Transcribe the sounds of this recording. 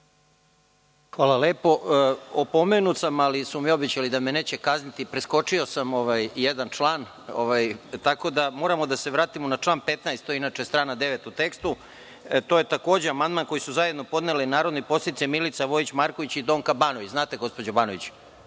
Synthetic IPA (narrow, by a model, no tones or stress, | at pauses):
xʋaːlˠaleːpo̞opo̞menut̪samalisumio̞bet͡ɕalid̪amene̞ːt͡ɕekaznit̪ipɾesko̞t͡ʂio̞samo̞ʋajjed̪ant͡ʂlˠaːn | o̰ʋajt̪ako̞d̪amo̞ːɾamo̞d̪ase̞ʋɾaːt̪imonat͡ʂlˠaːnpe̞t̪najst̪ojeinaːt͡ʂest̪ɾaːnad̪e̞ʋet̪ut̪e̞kst̪u | t̪o̞ːjet̪ako̞ːd͡ʑeamand̪manko̞jisuzaje̞d̪no̞po̞d̪nelenaːɾo̞d̪nepo̞set̪it̪semilit̪saʋo̞it͡ɕmaɾko̞ʋit͡ɕid̪o̞ːŋkabaːnoʋit͡ɕznaːt̪eɡo̞spo̞d͡ʑobaːnoit͡ɕ